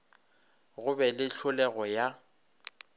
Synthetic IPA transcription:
ɣʊbɛlɪɬʰʊlɛɣɔja

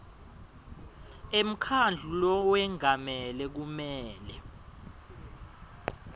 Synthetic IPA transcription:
em̩kʰand͡ɮʱulɔwɛŋʱamɛlɛk̬umɛːlɛ

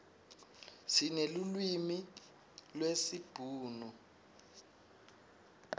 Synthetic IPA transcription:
sinelulwimi | lwesib̥ʱuːnu

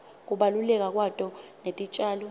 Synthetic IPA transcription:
k̬ʼuɓalulɛk̬ʼak̬watʼɔnetʼit͡ʃʼaːlɔ

